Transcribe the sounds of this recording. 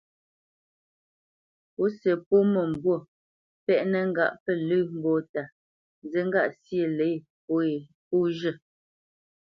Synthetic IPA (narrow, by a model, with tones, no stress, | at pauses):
po˨˦sə˨po˦mə˨m̩˨bwo˦˨ | pɛ˦ʔnə˦ŋ̩˦ɡa̰˦˨ʔpə˦˨lʉ˦m̩˦bo˦˨ta˨˦ | zə˦ŋ̩˦ɡa˦˨ʔsje˨le˨˦˨ | po˨˦e˨ | po˦ʒə˦˨